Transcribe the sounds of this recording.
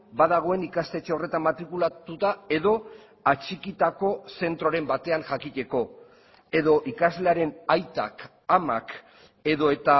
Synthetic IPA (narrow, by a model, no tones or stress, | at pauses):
bað̞aɣ̞o̞e̞nikast̪e̞t͡ʃeo̞re̞t̪ammat̪ɾikulat̪ut̪ae̞ðo̞ | at͡ʃikit̪ako̞se̞nt̪ɾo̞ɾe̞mbat̪e̞aŋʝakit̪e̞ko̞ | e̞ðo̞ʔikazle̞aɾe̞najt̪a̰k | amak | e̞ðo̞e̞t̪a